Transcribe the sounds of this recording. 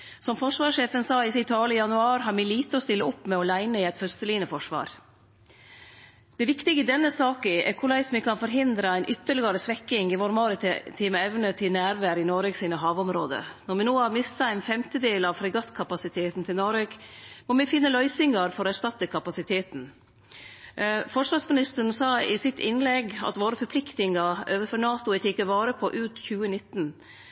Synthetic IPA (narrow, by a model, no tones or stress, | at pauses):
sɔmfɔʂʋɑːʂeːfənsɑːɪsɪt̪ʰɑːləɪjɑnʉɑːɾɦɑɾmɛliːt̪əɔst̪ɪlːəʊpːmɛɔlæɪnəɪæɪt̪fœst̪əliːənəfɔʂʋɑ̰ːɾ | d̪̥ɛʋɪkt̪ɪɡəɪd̪ɛnːəsɑːkʔɛ̰ɾkʰʊɭæɪsmɛkʰɑnfɔɾɦɪnd̪ɾɑæɪnʔʏt̪ːəɭɪɡəɾəsʋɛkːɪŋɪʋoːɾmɑːɾət̪t̪ʰiːməɛʋnət̪ʰɪlnæːɾʋæːɾɪnoːɾəɡsiːnəɦɑːʋɔmɾoːd̪ə̰nɔɾmɪnoːhɑɾmɪst̪ɑæɪnfɛmt̪əd̪eːlɑʋfɾɛɡɑt̪kʰɑpɑsɪt̪ʰeːt̪n̩t̪ʰɪlnɔɾəɡmɔmɛfɪnːəlœʏsɪŋɑɾfɔɾɔæɾʂt̪ɑt̪ːəkʰɑpɑsɪt̪ʰeːt̪n̩ | fɔʂʋɑsmɪnɪst̪əɾɳ̩sɑːɪsɪt̪ʰɪnlɛɡɑ̰t̪ʋoːɾəfɔɾpʰlɪkt̪ɪŋɑøːʋəfɔɾɳɑːt̪ʊɛt̪ɪkəɾʋɑːɾəpʰɔʔʉːt̪çʉːənɪt̪ːn̩